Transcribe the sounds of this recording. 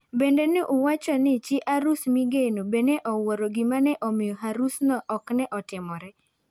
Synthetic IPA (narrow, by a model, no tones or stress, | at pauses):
bendenɪʔuwat͡ʃɔnɪt͡ʃɪʔaɾusmiɡenobeneʔɔwoɾoɡɪmanɛʔɔmɪjɔɦaɾusnɔʔɔknɛʔɔtɪmɔɾɛ